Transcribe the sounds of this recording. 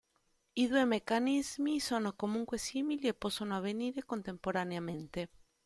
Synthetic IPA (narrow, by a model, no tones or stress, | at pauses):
iðuemekanizmisonokomuŋkwesimiliepɔsonoaβeniɾekont̪empoɾaneamẽnt̪e